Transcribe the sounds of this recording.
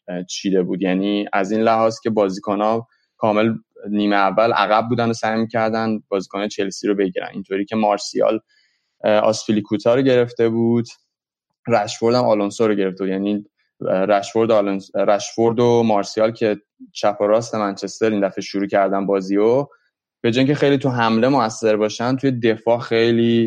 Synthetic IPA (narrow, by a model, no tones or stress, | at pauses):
t͡ʃʰiːd̪e̞buːd̪jæniːæziːnlæhɒːzcʰʲe̞bɒːziːkʰonɒ | kʰɒːme̞lniːmeævːælʔæ̰ɣæbbuːd̪æno̞sæjmiːcʰæɾd̪ænbɒːzikʰonɒjet͡ʃʰe̞lsiɾobe̞ɟiɾæ̰nḭnt̪ʰoɾiːcʰe̞mɒːɾsiɒ̰ːl | ɒ̰sfilikʰut̪ʰɒːɾoɟe̞ɾe̞ft̪e̞buːd̪̥ | ræʃfo̞ɾd̪æmɒlonsoɾoɟe̞ɾeft̪e̞bud̪jæni | ɾæʃfo̞ɾd̪olonsɾæʃfo̞ɾd̪omɒːɾsiɒlcʰe̞ | t͡ʃʰæpʰoɾɒːst̪e̞mænt͡ʃʰe̞st̪eɾind̪æfeʃuɾuːcʰæɾd̪ænbɒːzio | b̥e̞d͡ʒɒːjicʰe̞xe̞jliːt̪ʰuɦæmle̞moæsːe̞ɾbɒːʃænt̪ʰuje̞d̪e̞fɒːxe̞jliː